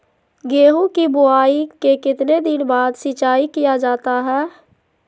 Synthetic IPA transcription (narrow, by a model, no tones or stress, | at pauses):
ɡeːɦũkibʊaːikekɪt̪ned̪ɪnbaːd̪sɪt͡ʃaːikijad͡ʒaːt̪aɦɛː